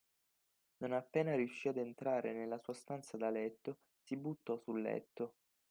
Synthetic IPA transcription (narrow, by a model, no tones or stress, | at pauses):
nonapːɛːnaɾiuʃːiad̪ent̪ɾaːɾʔenelːasuːast̪ant̪sad̪alɛt̪ːo | sibut̪ːɔsulːɛ̰t̪ːo